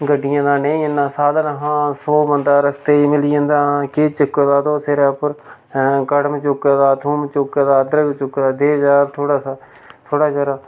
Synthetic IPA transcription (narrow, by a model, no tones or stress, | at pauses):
ɡəɖɪjãːd̪ãːneĩənːãːsaːd̪anəɦãːsoːbənd̪aːɾəst̪eːiːmɪlijə̃nd̪ãːkeːt͡ʃəkːəd̪aːt̪oːseɾɛːpəɾ | kəɽmət͡ʃʊkaːd̪aːt̪ʰuːmt͡ʃʊkaːd̪aːd̪ɾəɡt͡ʃʊkːd̪aːd̪eːd͡ʒaːt̪ʰoːɽaːsaː | t̪ʰoːɽaːd͡ʒaːɾaː